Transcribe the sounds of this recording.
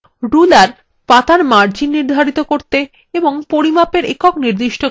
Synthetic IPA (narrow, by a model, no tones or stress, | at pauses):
ɾulaɾ | pat̪aɾmaɾd͡ʑinːiɾd̪ʱaɾit̪okoɾt̪e | eboŋpoɾimapeɾekɔkniɾd̪iʃʈo